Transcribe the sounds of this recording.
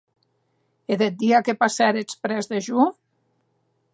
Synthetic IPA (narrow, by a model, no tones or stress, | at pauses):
eðet̪̚d̪iakepasɛɾet͡spɾɛzðeʒu